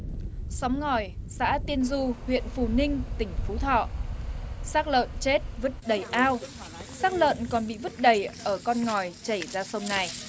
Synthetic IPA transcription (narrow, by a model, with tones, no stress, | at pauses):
sɔ˨˦wŋ͡mŋɔ˨˩jsa̰ː˧˥t̪i˧ənzu˧hwḭ˧˨ənfu˧˩nï˧ŋ̟t̪ï˧˩ŋ̟fu˨˦t̪ʰɔ̰ː˧˨ | saː˦˥k̚lə̰ː˧˨nt͡ɕe˦˥t̚və˦˥t̚ɗə˨˩jʔaː˧w | saː˦˥k̚lə̰ː˧˨nkɔ˨˩nɓḭ˧˨vɨ˦˥t̚ɗə˨˩jʔəː˧˩kɔ˧nŋɔ˨˩jt͡ɕə˧˩jzaː˧sə˧wŋ͡mna˨˩j